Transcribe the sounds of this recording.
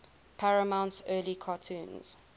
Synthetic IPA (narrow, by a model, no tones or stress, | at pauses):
pʰaɹəmãʊ̃ntsɜːlikʰɑtʰũːnz̥